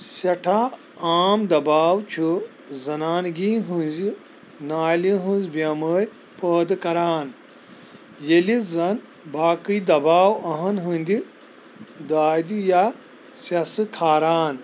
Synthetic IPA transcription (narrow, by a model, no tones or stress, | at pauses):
sɐʈʰa | aːmd̪ɐbaːwt͡ʃʰu | zɐnaːnɡiːɦunzi | naːliɦunzbɐməːɾʲ | pəːd̪ɨkɐɾaːn | jelizɐn | baːkɨjd̪ɐbaːwɐɦɐnɦunʲd̪ʲi | d̪aːd̪ija | sɐsɨkʰaːɾaːn